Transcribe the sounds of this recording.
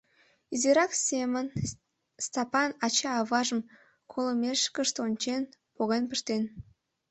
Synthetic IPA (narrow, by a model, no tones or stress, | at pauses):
izeɾɑksemən | st̪ɑpɑnɑt͡ɕɑːβɑʒəm | kʰolomʲeʃkəʃt̪onʲt͡ɕenpoɣenpəʃt̪en